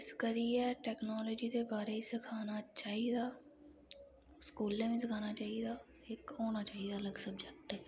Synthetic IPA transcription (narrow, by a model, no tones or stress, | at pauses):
ɪskəɾiɛʈɛːknɔːlɔːd͡ʒid̪ebaːɾeisekʰaːnat͡ʃaːɦid̪aː | skuːlːemẽsekʰaːnat͡ʃaːɦid̪aː | eːkɦoːnat͡ʃaːɦid̪aːləɡsəbd͡ʒek̚ʈɛː